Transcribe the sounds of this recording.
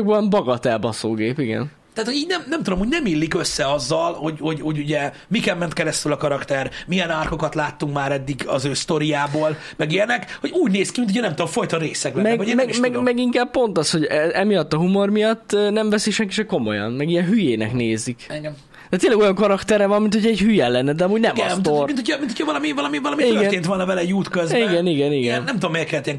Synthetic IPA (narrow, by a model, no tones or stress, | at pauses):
ɡ̚bɒmbɒɡɒt̪ɛlbɒsoːɡeːpiɡɛ̰n | t̪aaːt̪hoɟiːɟnɛmnɛmt̪ud̪o̞mhoɟnɛmilːikøsːɛɒzːɒlho̞ɟho̞ɟhoɟuɟɛ | mikɛmːɛnt̪̚kɛɾɛst̪ylɒkɒɾɒkt̪ɛrmijɛnaːrko̞kɒt̪laːt̪ːuŋkmaːɾɛd̪ːiɡɒzøːst̪o̞ɾijaːboːl | mɛɡenɛkho̞ɟuːɟneːskiminuɟɛnɛmt̪ud̪omfo̞jt̪ɒɾeːsɛɡ̚bɛmɛɡomɛɡmɛɡmɛɡiŋkaːbpo̞nt̪ɒsho̞ɟɛɛmijɒt̪ːɒɦumo̞rmijɒt̪ːnɛɱvɛsiʃɛŋkiʃɛko̞mo̞̰jɒ̰nmɛɡijɛnɦyjeːnɛ̰kneːzik | d̪ɛt̪eːlɛɡo̞jɒŋkɒɾɒkt̪ɛrɾɛvɒmːinhocʰɛɟhyjɛlɛnːɛd̪ɛɒmuːɟnɛmɒst̪omint̪ʰocʰɑmint̪ʰːocʰɒvɒlɒmiɒlɒmivɒlɒmiiøɡɛrneːnt̪ʋolnːɒvɛlɛut̪køziɡɛniɡɛniɡɛnnɛmt̪ud̪omːɛːrkɛlt̪iɛŋ